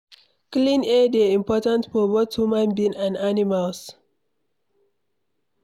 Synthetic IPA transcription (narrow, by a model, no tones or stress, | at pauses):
klĩnɛdeĩmpɔtãntfɔbothumãnbĩnãnanimals